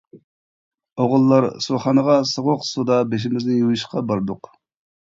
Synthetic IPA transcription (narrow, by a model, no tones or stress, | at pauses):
oʁʊlˠːɑɾsuχɑnəʁɑsoʁʊqsud̪ɑbeʃ̬imɪznɪjujiʃqɑbɑɾd̪ʊq